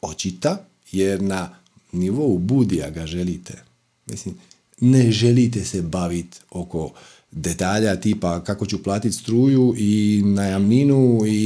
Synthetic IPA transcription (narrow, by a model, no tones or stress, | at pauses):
o̞t͡ɕit̪a | je̞ɾna | niʋo̞ubud̪ia̰ɡaʒe̞lit̪ḛ | mḭslim | neʒe̞lit̪̬esebaʋit̪o̞ko̞ | d̪e̞t̪aːʎat̪iːpakako̞t͡ɕuplˠaːt̪it̪st̪ɾuːjuʔinajamninui